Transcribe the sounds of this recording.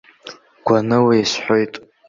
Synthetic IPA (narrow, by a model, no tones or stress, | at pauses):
ɡ̥ʷanɨwajsħʷojtʼ